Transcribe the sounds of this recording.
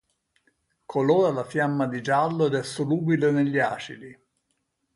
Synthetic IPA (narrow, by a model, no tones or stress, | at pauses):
kʰolɔːɾalafjamːad̪id͡ʒalːoɛd̪ɛsːoluːbileneʎːia̰ːt͡ʃḭli